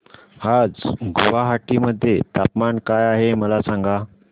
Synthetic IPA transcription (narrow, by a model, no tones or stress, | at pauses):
had͡zɡoʋaɦaʈiməd̪ʱːjet̪apmankajaɦeməlasãŋɡa